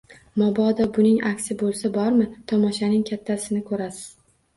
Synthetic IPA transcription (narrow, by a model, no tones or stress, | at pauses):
mɒbɒd̪ɒbʊnɪŋʔakʲsɪbolˠsabɒɾmɪt̪ʰɒmɒʃanɪŋkʲʰat̪ʰːasɪnɪkʰɵɾasɪz̥